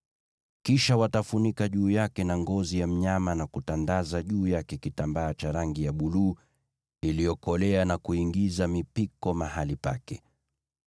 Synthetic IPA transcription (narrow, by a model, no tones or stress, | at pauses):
kiʃawatafunikaʄuːjakɛnaŋɡɔzijam̩ɲamanakutandazaʄuːjakɛkitambaːt͡ʃaɾaŋɡijaɓuluː | ilijɔkɔlɛanakuiŋɡizamipikɔmaɦalipa̰kɛ